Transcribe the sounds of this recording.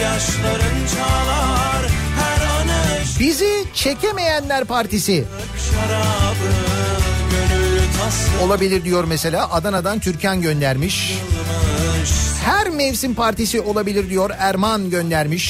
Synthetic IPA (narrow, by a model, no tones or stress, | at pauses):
jaʃlˠaɾɯnt͡ʃʰaːlˠaɾhæɾanbizit͡ʃʰe̞cʰeme̞jænlʲæɾpʰaɾt̪ʰisɪ | ʃaɾabɯ | ønyt̪ʰo̞lˠabilʲiɾd̪ijo̞ɾmese̞lʲaːʔad̪anad̪ant̪ʰyɾcʰanɟø̞nd̪æɾmiʃ | hæɾmɛvsinpʰaɾt̪isio̞lˠabilʲiɾd̪ijo̞ɾæɾmanɟønd̪æɾmiʃ